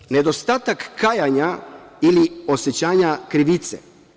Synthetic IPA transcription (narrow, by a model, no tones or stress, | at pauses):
ne̞d̪o̞st̪aːt̪akːaːjaɲailio̞set͡ɕaːɲakɾiʋit̪sḛ